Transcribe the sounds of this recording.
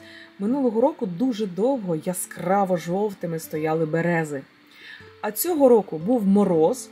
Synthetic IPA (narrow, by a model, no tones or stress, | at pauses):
mɪnulˠɔɦɔɾɔkʊd̪uʒɛd̪ɔwɦɔjaskrɑʋɔʒɔwt̪ɪmɪst̪ɔjɑlˠɪbeɾɛzɪ | ɐt͡sʲɔɦɔɾɔkʊbuwmɔɾɔz